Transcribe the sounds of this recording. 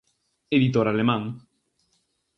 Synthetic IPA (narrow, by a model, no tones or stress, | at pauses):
eðit̪oɾalemãŋ